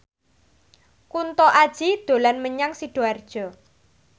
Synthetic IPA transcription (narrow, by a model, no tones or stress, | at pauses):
kunt̪ɔʔad̥ʒ̥id̪̥o̤lanməɲaŋsiɖ̥oard̥ʒ̥ɔ̤